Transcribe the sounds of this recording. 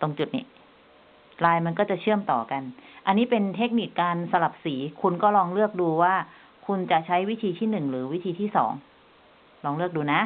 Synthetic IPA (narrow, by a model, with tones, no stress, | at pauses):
t̪o˧ŋt͡ɕu˨˩nḭ˦˥˩ | ɾaː˧jma˧nkɔː˥˩t͡ɕa˨˩t͡ɕʰɯ˥˩əmt̪ɔː˨˩ka˧nʔa˧nːiː˦˥pe˧nt̪ʰe˦˥k̚ni˨˩kkaː˧nsa˧la˨˩p̚siː˩˦kʰu˧nkɔː˥˩lɔː˧ŋlɯ˥˩ək̚duː˧waː˥˩ | kʰu˧nt͡ɕa˨˩t͡ɕʰa˦˥jwi˦˥t̪ʰiː˧t̪ʰiː˥˩nɯ˨˩ŋɾɯː˩˦wi˦˥t̪ʰiː˧t̪ʰiː˥˩sɔ̰ː˩˦ŋ | lɔː˧ŋlɯ˥˩ək̚duː˧na˦˥